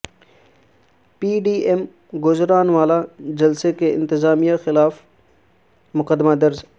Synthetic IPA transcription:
piːɖiːʔem | ɡʊzɾaːnʋaːlad͡ʒɐlsekeɪ̰̃nt̪ɪzaːmijaxɪlaːf | mʊqəd̪mad̪ɐɾz

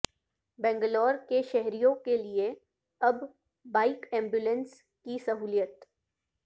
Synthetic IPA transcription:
bɛ̃ːŋɡəlɔːɾkeʃɛɦɾijõkelie | ɐbː | aːɪkɛ̃ːmbjulə̃ns | kisɐɦuːljət̪

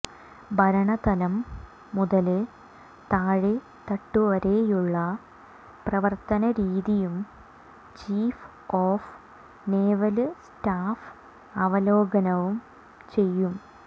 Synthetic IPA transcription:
bʱɐɾɐɳɐt̪ɐlɐmː | uðɐlɨ | t̪aːɻe | t̪ɐʈːuʋɐɾe̞juɭːɐ | prɐʋɐrt̪ɐnɐɾiːðijum | t͡ɕiːf | oːf | neːʋɐlstaːf | ɐʋɐloːɡɐnɐʋum | t͡ɕe̞jːum

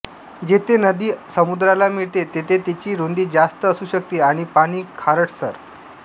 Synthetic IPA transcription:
d͡ʑet̪ʰenəd̪iːsəmud̪ɾalamiɭt̪et̪et̪ʰet̪it͡ɕiːɾond̪iːd͡ʑast̪əːsuːɕəkt̪iːaɽ̃ipaɽ̃iːkʰaɾəʈʰsəɾ

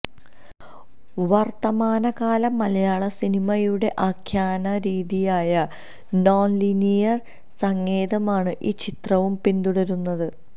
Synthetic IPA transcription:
ʋɐrt̪ɐmaːnɐɣaːlɐmɐlɐjaːɭɐsinimɐjuɽe̞ʔaːkʰjaːnɐɾiːðijaːjɐ | noːnlinijɐr | sɐŋːe̞ːðɐmaːɳɨʔiːt͡ɕit̪rɐʋumpind̪uɽɐɾunːɐðɨ

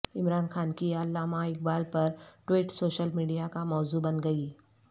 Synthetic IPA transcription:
ɪmɾaːnxaːnkiɐlːaːmaɪk̚baːlpɐɾʈwiːʈsoːʃəlmiːɖijakamɔːzubɐnɡɐiː

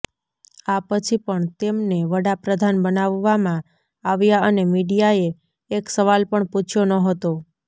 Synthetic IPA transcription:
apət͡ʃʰipəɳt̪emneʋəɽapɾəd̪ʱanbənaʋːamã | aʋjaənemiɖijaeː | ksəʋalpəɳput͡ʃʰjonəɦət̪o

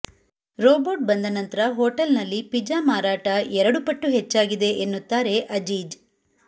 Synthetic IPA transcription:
ɾoːboːʈ̚bɐnd̪ɐnɐnt̪ɐɾɐɦoːʈɐlnɐlːipid͡ʒaːmaːɾaːʈɐʔɛɾɐɽupɐʈːuɦet͡ʃːaːɡid̪e̞ʔːnːut̪ːaːɾe̞ʔɐd͡ʒiːd͡ʒ

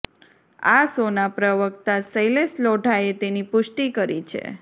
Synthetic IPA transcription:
asonapɾəʋək̚t̪asəjlesloʈaet̪enipʊʃʈikəɾḭt͡ʃʰḛ

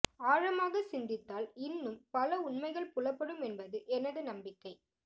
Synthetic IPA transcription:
aːɻɐmaːɣɐsɪnd̪ɪt̪ːaːlɪnːɯmpɐlɐʊɳmɐɪɣɐɭpʊlɐpːɐɽɯmɛnbɐðɯʔɛnɐðɐnɐmbɪkːɐɪ

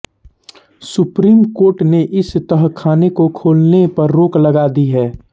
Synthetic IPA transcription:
sʊpɾiːmkoːɾʈneʔɪst̪əɦkʰaːnekokʰoːlnepɐɾːoːklɐɡaːd̪iɦɛː

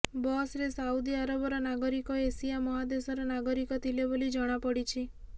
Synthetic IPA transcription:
bɔsɾesaud̪iaɾɔbɔɾɔnaɡɔɾikɔesijamɔɦad̪esɔɾɔnaɡɔɾikɔt̪ʰilebolid͡ʒɔɽ̃apɔɽit͡ʃʰi

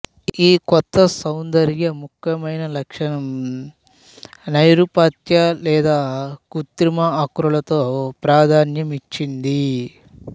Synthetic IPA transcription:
iːkɔt̪ːɐsɐwnd̪ɐɾjɐmukʰjɐmɐjnɐlɐkʂɐnɐm | nɐjɾupaːt̪jɐlɛːd̪aːkut̪ɾimɐːkɾulɐt̪oːpɾaːd̪ʱaːnjɐmit͡ʃːind̪i

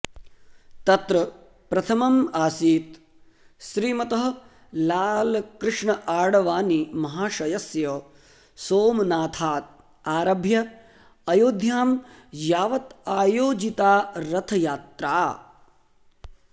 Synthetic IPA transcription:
t̪ɐt̪ɾɐ | pɾɐt̪ʰɐmɐmaːsiːt̪ | ʃɾiːmɐt̪ɐɦɐ | laːlkɾɪʂɳɐʔaːɽɐʋaːnimɐɦaːʃɐjɐsjɐ | soːmnaːt̪ʰaːt̪̚ | aːɾɐbʱjɐ | ɐjoːd̪ʱjaːm | jaːʋɐt̪aːjoːd͡ʒit̪aːɾɐt̪ʰɐjaːt̪ɾaː

